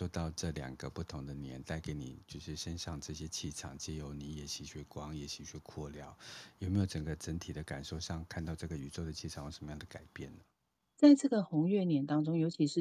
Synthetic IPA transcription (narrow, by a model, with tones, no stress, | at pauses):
o˥˧t̪ɑ˥˧ʊʈ͡ʂɤ˥˩ljɑ̰˨˩ŋɡə˦pu˥˩t̪ʰʊ˧˥ŋd̪ə˨njɛ̰˧˥nt̪a˥˩ɪke˧˥ɪnḭ˨˩t͡ɕjo˥˧ʊʂɻ̩˥˩ʂə˦˥nʂɑ˥˧ŋʈ͡ʂɤ˥˧˩ɕjɛ˥t͡ɕʰi˥˩ʈ͡ʂʰɑ̰˨˩ŋt͡ɕɛ˥˩jo˧˥ʊni˧˥jɛ˨˩ɕi˧˥ɕɥɛ˥˩kwɑ˥ŋjɛ˨˩ɕi˧˥ɕɛ˥˩kʰwɔ˥˩ljɑ˥˦ʊjo˨˩ʊme˧˥jo˨˩ʊʈ͡ʂə˨˩ŋɡə˧˦ʈ͡ʂə˧˥nt̪ʰi˨˩d̪ə˦ka̰˨˩nʂo˥˧ʊɕɑ˥˧ŋkʰa˥˧nt̪ɑ˥˧ʊʈ͡ʂɤ˥˩ɡə˩y˨˩ʈ͡ʂo˥˩ʊdə˩t͡ɕʰi˥˩ɑ˨˩ŋxjʂə˧˦mə˧jɑ˥˩d̪ə˩ka˨˩ɪpjɛ˥˩nnə˩ | t͡sa˥˧ɪʈ͡ʂɤ˥˩ɡə˨˩xʊ˧˥ŋɥɛ˥˩njɛ˨˩nt̪ɑ˥ŋʈ͡ʂʊ˥ŋjo˧˥ʊt͡ɕʰi˧˥ʂɻ̩˥˩